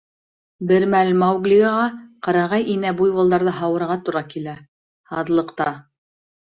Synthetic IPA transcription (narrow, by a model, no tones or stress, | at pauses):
bɘɾmælmɑwɡlʲiɡɑʁɑqɑɾɑʁɑjʔinæbujbɑ̆lˠd̪ɑɾðɤɦɑwɤ̆ɾʁɑt̪uɾɑkilæ | hɑðlˠɤ̆qt̪ɑ